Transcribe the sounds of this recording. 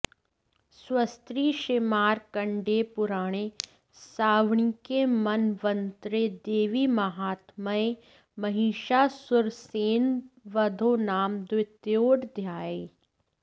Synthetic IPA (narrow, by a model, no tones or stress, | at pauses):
swɐst̪ɾiːʃɪmaːɾkɐɳɖepʊɾaːɽ̃e | saːʋɳikemɐnʋə̃nt̪ɾed̪eːʋimɐɦaːt̪məe | mɐɦiːʃaːsʊɾseːnʋɐd̪ʱonaːmd̪wɪt̪joːɽd̪ʱjaːe